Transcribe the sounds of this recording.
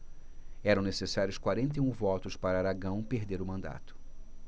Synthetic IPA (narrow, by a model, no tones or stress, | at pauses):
ɛɾɐ̃w̃nesesaɾjʊskwaɾẽnt̪̬eũvɔt̪ʊspaɾɐaɾaɡɐ̃w̃peɾd̪eɾʊmɐ̃nd̪a̰t̪ʊ̥